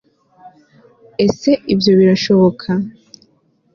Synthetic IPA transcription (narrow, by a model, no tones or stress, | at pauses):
e̞se̞ivjo̞βiɾaʃo̞βo̞kʰa